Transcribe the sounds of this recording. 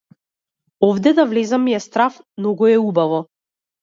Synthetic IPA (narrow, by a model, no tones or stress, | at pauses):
ɔvd̪ɛd̪avlɛzamijɛst̪ɾaf | nɔɡɔɛubavɔ